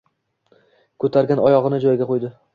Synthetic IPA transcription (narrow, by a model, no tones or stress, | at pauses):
kʰɵt̪ʰaɾɡʲanɒjɒʁɨnɪd͡ʒɒjɡʲaqʰojd̪ɪ